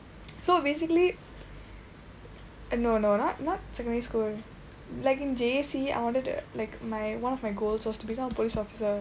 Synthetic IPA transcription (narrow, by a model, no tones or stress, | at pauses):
sobesikəli | nononɔt̚nɔt̚sɛkə̃nɖɛɹiskuːl | laɪkĩnd͡ʒeesia̰ɪwɔ̃nʈəd̰laɪkmaɪwãnɔfmaɪɡoːlswɔstubikãməpolisɔfi̥sə